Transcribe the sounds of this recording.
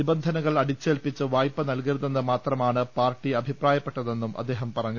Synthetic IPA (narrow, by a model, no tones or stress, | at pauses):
ibɐnd̪ʱɐnɐɣɐɭɐɽit͡ɕːe̞ːlpit͡ɕːɨʋaːjpːɐnɐlkiɾðɐnːɨmaːt̪rɐmaːɳɨpaːrʈːiɐbʱipraːjɐpːe̞ʈːɐðe̞nːumʔɐ̰d̪ːe̞ːɦɐmpɐrɐɲːu